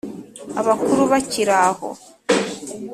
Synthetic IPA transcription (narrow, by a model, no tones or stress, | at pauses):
aβakuɾuβaciɾaho̰